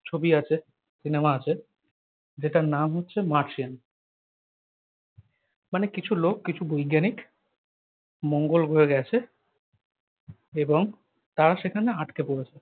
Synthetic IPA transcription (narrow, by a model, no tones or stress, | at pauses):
t͡ɕʰobiat͡ɕʰe | sinemaat͡ɕʰe | d͡ʑeʈanamɦotːɕʰemaɾt͡ɕian | manekit͡ɕʰulokːit͡ɕʰubojɡːanik | moŋɡolɡʱoeɡɛt͡ɕʰe | eboŋ | t̪aɾaʃekʰaneaʈkepoɽet͡ɕʰe